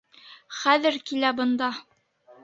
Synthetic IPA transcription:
χæðɘɾkilæbɤ̆nd̪ɑ

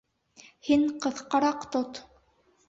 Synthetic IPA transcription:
hiɴqɤ̆ðqɑɾɑqt̪ot̪

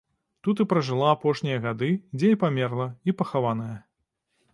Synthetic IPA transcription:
t̪ut̪ɨpɾɐʐɨlˠaapɔʂnʲijɐɣad̪ɨd͡zʲeipamʲɛrlˠɐipɐxavanɐjɐ

